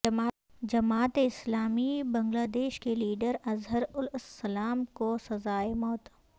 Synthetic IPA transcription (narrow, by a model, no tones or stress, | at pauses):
d͡ʒɐmaːt̪eɪslaːmibɐ̃ŋɡlaːd̪eːʃkeliːɖəɾɐzɦəɾʊlsːɐlaːmkosɐzaːemɔːt̪